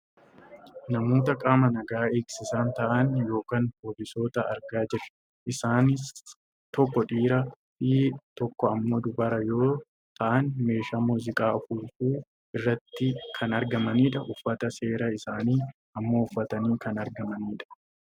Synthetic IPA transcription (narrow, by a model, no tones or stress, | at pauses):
nɐmoːt̪̬ɐkʼaːmɐnɐɡaːeːksɪsaːnt̪ɐʔɐnjo̞ːkaːnpoːlɪso̞ːt̪ɐɐ̰ɾɡaːd͡ʒɪrːɐ̥ | ʔɪsaːnɪs | t̪ɔkːɔᶑiːɾɐ | fit̪ɔkːɔɐmːo̞ːd̪ʊbɐɾɐjo̞ː | t̪ɐʔɐnme̞ːʃaːmuːzɪkʼaːʊfulfuː | ɪrːɐt̪ːɪkʰɐnɐɾɡɐmɐniːᶑɐʔʊfːɐt̪ɐse̞ːɾɐɪsaːniː | ɐmːoːʊfːɐt̪ɐniːkɐnɐɾɡɐmɐniːᶑɐ̥